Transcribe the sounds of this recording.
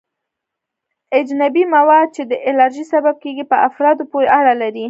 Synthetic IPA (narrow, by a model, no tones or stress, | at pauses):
ad͡ʒnabimawɑd̪̚t͡ʃed̪əʔɪlɑɾʒisabab̚keɡipəafɾɑd̪opoɾeʔaɽalaɾi